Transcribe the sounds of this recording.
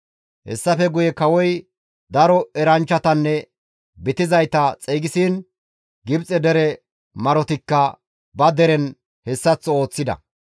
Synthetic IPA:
hɛ̰sːɐfɛɡʊjɛkɐwɔj | d̪ɐɾɔɛɾɐnt͡ʃːɐt̪ɐnːɛ | bɪt̪ɪzɐjt̪ɐt͡sʼɛːɡɪsiːn | ɡɪbt͡sʼɛd̪ɛɾɛ | mɐɾɔt̪ɪkːɐ | bɐd̪ɛɾɛn | hɛsːɐt͡sːɔoːt͡sːɪd̪ɐ̰

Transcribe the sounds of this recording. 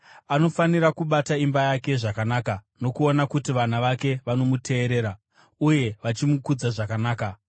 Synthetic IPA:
ano̞faniɾakuɓataimbajake̞ʐakanaːka | no̞kuonakutiʋan̤aʋake̞ʋano̞mutʰe̞ːɾe̞ːɾa | uje̞ʋat͡ʃimukud͡zaʐakanaːka

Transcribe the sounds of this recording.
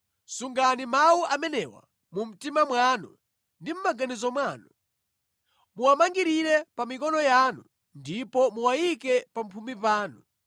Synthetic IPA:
suŋɡanimawuʔamɛnɛwa̰ | mum̩timamwanu | ndim̩maɡanizɔmwaːnu | muwamaŋɡiɾiɾɛpamikɔnɔjaːnu | ndipɔmuwajikɛpampʰumbipaːnu

